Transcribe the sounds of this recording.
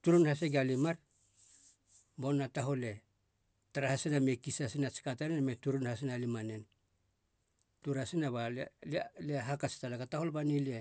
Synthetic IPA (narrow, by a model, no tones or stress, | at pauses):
tuɾunhas̬eɡalimaɾ | bo̞nːataɦo̞le̞ | taɾahasiname̞kisasinat͡ʃi̥katanenmetuɾunhas̬inalimane̞n | tuɾasinaβalleɦakasi̥talakataho̞lbanilie